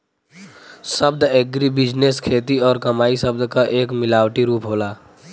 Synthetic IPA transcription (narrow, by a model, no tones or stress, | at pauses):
səb̚d̪eːɡɾibɪd͡ʒneskʰeːt̪iɔːɾkəmaːisəb̚d̪ʱkaʔeːkmɪlaːwʈiɾuːpɦoːlaː